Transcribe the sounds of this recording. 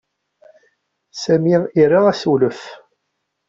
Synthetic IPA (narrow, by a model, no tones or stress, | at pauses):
sæmiirːiʁæsuləf